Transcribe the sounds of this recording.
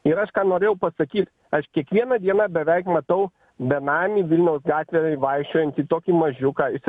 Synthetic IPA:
ɪɾɐʃkɑːnoːɾʲeːjɛʊpɐsɐkʲiːt̪ | ɐʃkʲiɛkʋʲiɛnɐd̪ʲiɛnɑbʲɛʋʲɛɪkmɐt̪ɐʊ | bʲɛnɑːmʲiːʋʲɪlʲnʲɛʊsɡɑːt̪ʲʋʲɛɪʋɐɪʃʲt͡ʃʲoːjɛnʲt̪ʲiːt̪oːkʲiːmɐʒʲʊkɑːɪs

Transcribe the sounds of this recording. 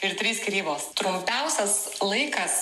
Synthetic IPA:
ɪɾt̪ʲɾʲiːskʲɾʲiːboːst̪ɾʊmʲpʲɛʊsʲɛs | lˠɐɪkɐs

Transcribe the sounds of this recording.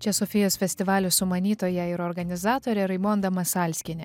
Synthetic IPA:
t͡ʃʲɛsɔfʲɪjoːsfʲɛsʲt̪ʲɪʋɑːlʲʊsʊmɐnʲiːt̪oːjɛɪɾɔːɾɡɐnʲɪzɑːt̪oːɾʲɛɾɐɪmond̪ɐmɐsɑːlʲsʲkʲɪnʲɪ

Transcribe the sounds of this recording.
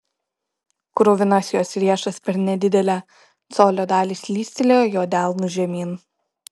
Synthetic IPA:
kɾʊːʋʲɪnɐsʲjoːsɾʲiɛʃɐspʲɛɾnʲɛd̪ʲɪd̪ʲɛlʲæː | soːlʲoːd̪ɑːlʲiːslʲiːsʲt̪ʲɪlʲejoːjoːd̪ʲæˑlˠnuʒʲɛmʲiːn

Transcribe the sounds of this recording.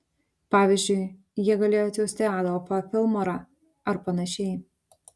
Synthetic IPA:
pɑːʋʲizʲd͡ʒʲʊɪ | jiɛɡɐlʲeːjoːt̪ʲɛʊsʲt̪ʲeɑːd̪ɐɐpɐfʲɪlˠmoːɾɑ | ɐɾpɐnɐʃʲɛɪ

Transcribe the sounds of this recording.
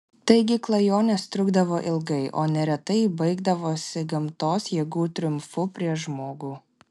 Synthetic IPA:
t̪ɐɪɡʲɪklˠɐjoːnʲeːst̪ʲɾʲʊɡd̪ɐʋoːʔɪlˠɡɐɪʔo̰ːnʲɛɾʲɛt̪ɐɪbɐɪɡd̪ɐʋoːsʲɪɡɐmt̪oːsjɛɡuːt̪ʲɾʲʊmfʊpʲɾʲiɛʃʒmoːɡuː

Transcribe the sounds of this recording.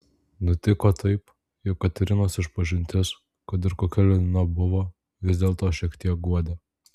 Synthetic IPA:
nʊt̪ʲɪkoːt̪ʰɐɪp | jɔkːɐt̪ʲɛɾʲɪnoːsɪʃpɐʒʲɪnʲt̪ʲɪs | kɐt̪ɪɾkoːkʲɛlʲɛnʲɪnɐbʊʋoː | ʋʲɪzʲd̪ʲeːlˠt̪oːʃʲiɛkt̪ʲiɛk̚ɡuɔd̪ʲeː

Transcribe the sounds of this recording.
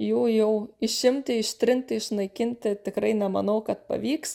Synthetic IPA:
jɛːjɛʊɪʃʲɪmʲt̪ʲɪɪʃt̪ʲɾʲɪnʲt̪ʲɪɪʃnɐɪkʲɪnʲt̪ʲɪt̪ʲɪkɾɐɪnʲɛmɐnɐʊkɐt̪pɐ̰ʋʲiːks

